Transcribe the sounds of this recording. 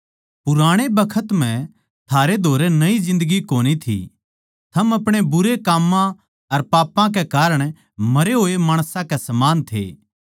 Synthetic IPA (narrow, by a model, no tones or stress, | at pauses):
pʊɾaːɽ̃ebɐkʰət̪m̤ɛ̃ | t̪ʰaːɾed̪ʱoːɾenɐizɪ̃nd̪əɡikoːɽ̃it̪ʰḭ | t̪ʰɐmɐpɽ̃ebʊɾekaːmːã | ɐɾpaːpãk̬ekaːɾəɽ̃ | mɐɾeɦoːemaːɽ̃sãkɛsɐmaːnt̪ʰḛː